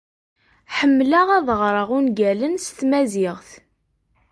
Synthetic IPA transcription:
ħəmːlaʁæðʁɾˤəʁunɡælənst̪mæzɪʁθ

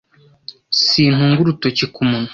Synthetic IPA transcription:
siːn̥huːŋɡuɾutocikʰumunu

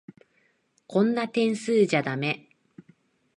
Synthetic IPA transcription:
kõ̞nːat̪ẽ̞ɰ̃sɨːʑad̪ame̞

